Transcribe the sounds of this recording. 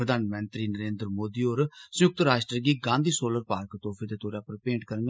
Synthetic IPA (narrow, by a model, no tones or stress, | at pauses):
ɾəd̪ʱaːnmɛ̃ːnt̪ɾiːnəɾẽːnd̪ɾmoːd̪iːoːɾsəjʊk̚t̪ɾaːʃʈɾəɡiːɡãːnd̪ʱiːsoːləɾpaːɾkt̪oːfʰeːd̪eːt̪oːɾjaːpəɾpẽːɳʈkəɾə